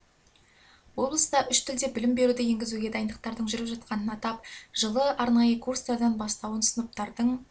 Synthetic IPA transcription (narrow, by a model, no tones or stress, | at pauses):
wo̞blˠəsəd̪ɑʔʏʃt̪ʰɪld̪e̞bɪlɪmbe̞ɾud̪ɪje̞ŋɡʲɪzuɡʲe̞d̪ɑjənd̪əq̚t̪ɑɾd̪əɴʒʏɾɪpʒɑt̪̚qɑnənɑt̪ɑpʒ̥əlˠəʔɑɾnɑjəkʰurst̪ɑɾd̪ɑnbɑst̪ɑwənsənəp̚t̪ɑɾd̪əɴ